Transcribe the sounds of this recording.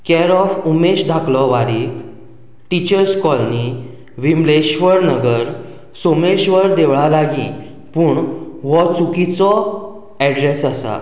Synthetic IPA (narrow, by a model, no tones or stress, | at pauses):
kɛɾɔfumeɕd̪ʱaklɔʋaɾik | ʈit͡ɕəɾskɔlni | ʋimleɕʋəɾnəɡəɾ | someɕʋəɾd̪eʋɭalaɡĩ | puːɳʋɔt͡sukit͡sɔ | ɛɖɾesəsa̰